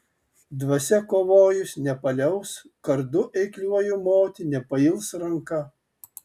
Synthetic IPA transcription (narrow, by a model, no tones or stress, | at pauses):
d̪ʋɐsʲɛkoːʋoːjʊsʲnʲɛpɐlʲɛʊs | kɐɾd̪ʊʔɛɪklʲuɔjʊmoːt̪ʲɪnʲɛpɐɪlˠsɾɐŋkɐ